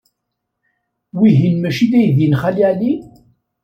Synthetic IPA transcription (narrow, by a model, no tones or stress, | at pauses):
wiɦinmæʃiðæjðjinχæliʕli